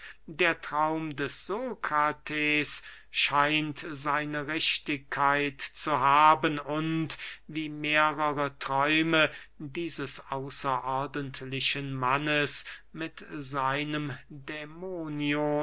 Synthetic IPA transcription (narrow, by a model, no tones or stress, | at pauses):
deːɐtʁ̥aʊmdɛsz̥oːkʁatʰeːs | ʃaɪntzaɪnəʁɛʃtɪkʰːaɪtt͡suɦaːbənʊntviːmeːʁəʁətʁ̥ɔʏmə | diːzəsʔaʊsɐʔɔɐdəntlɪʃənmanəsmɪtzaɪnəmdɛmoːnjo